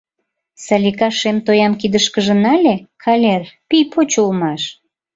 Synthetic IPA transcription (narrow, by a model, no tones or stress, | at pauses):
sɑlʲikɑʃemt̪ojɑmkid̪əʃkəʒə̆nɑlʲekʰɑlʲerpijpot͡ɕulmɑʃ